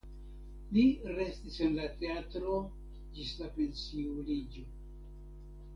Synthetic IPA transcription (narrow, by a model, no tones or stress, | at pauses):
liɾe̞stise̞nlate̞atɾo̞ | d͡ʒislapensiulid͡ʒo̞